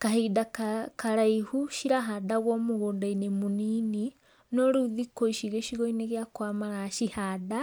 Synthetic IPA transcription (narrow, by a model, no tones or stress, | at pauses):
kaɦiːdakakaɾaihuʃiɾaɦadaɣwɔmoɣoːndainemunini | nɔɾuðikoiʃiɣeʃiɣoineɣjakwamaɾaʃihada